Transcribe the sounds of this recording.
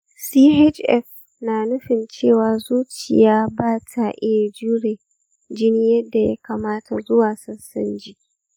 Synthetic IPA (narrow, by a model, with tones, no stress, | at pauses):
siː˦ɦɛ˦d͡ʒʔɛ̰˦ɸ | naː˨nʊ˦ɸɪ˨nt͡ʃeː˦˨waː˨zuː˦t͡ʃɪ̰˨jaː˦baː˦˨tʰa˨ʔɪ˦ja˨d͡ʒuː˦ɽeː˨ | d͡ʒɪ˦ni˦jɐ˦dːa˨ja̰˦kaː˨maː˦tʰa˨zʊ˦waː˨sɐ˦sɐ˦nd͡ʒiː˦ʔ